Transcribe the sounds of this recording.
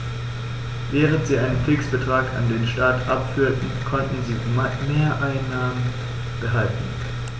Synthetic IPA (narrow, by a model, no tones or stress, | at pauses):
vɛːʁ̞əntz̥iːʔaɪnənfɪksb̥ətʁ̥aːkʰa̰ndeːnʃtaːtʔapfyːɐtn̩kʰɔntn̩ziːmeːɐʔaɪnːaːmən | b̥əɦaltn̩